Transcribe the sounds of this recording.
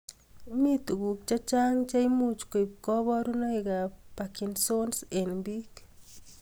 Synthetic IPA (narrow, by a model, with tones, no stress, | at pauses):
mi˦t̪o˨ɡu˨k̚t͡ʃa˦t͡ʃa˦ŋt͡ʃa˦i˦mu˦t͡ʃke˨p̚kɔ˦bɔ˦ɾu˦nɔ˦iɡa˨pa˨ki˨nso˦nse˨nbi˦k